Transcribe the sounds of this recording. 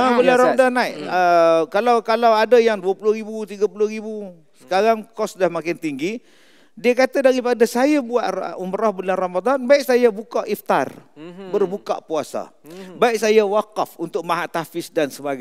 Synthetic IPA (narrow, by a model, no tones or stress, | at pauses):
əbulanramaad̪anaiʔəkalawkalawadajaŋduapulʊhɾibut̪iɡapulʊhrɾibu | sə̥kaɾaŋkɔsdahmakɪnt̪iŋɡi | diakat̪adaɾipadasajabuat̪uməɾɔhbulanramad̪anbaik̚sajabukaʔift̪a̰rbərbuka̰ʔpuasa̰baik̚sajawakafunt̪ʊk̚maɦaʔt̪afɪsdansəbaɡa